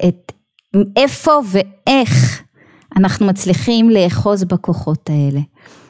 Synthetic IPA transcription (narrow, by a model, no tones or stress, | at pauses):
ʔet | efo̞ve̞ʔeχ | anaχnumat͡sliχimleːχo̞zbako̞χo̞tae̞le